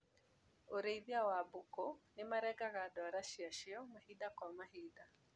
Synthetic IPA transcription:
oɾeiðjawabukonɪmaɾɛɡaɣadɔɾaʃiaʃiɔmahidakwamaɦida

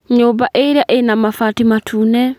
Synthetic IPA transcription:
ɲobaʔeɾeaʔenamafatimatʰuːnɛ

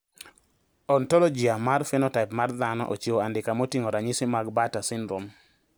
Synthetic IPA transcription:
ɔntɔlɔd͡ʒiamarfɛnɔtaɪpmard̪anɔ̰ʔo̰t͡ʃoandɪkamotiŋoɾaɲɪsɪmaɡbatasɪnɾom

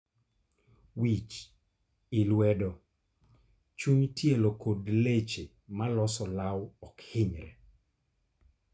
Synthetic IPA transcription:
wit͡ʃ | ɪlwɛdɔ | t͡ʃuɲtjelokodlet͡ʃe | malɔsɔlawɔkhɪɲɾɛ

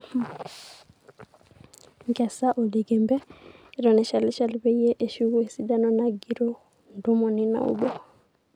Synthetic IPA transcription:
ŋɡɛsaʔoliɡembɛɾɔnɛʃalɛʃalbɛjeʔeʃuesidanɔnaɡiɾo | ndumɔnina̰ṵbɔ

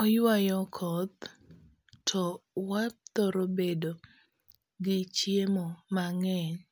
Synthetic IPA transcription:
ɔjwajɔkʰɔt̪̚ | tʰɔwat̪oɾobedo | ɡɪt͡ʃjemomaŋɛɲ

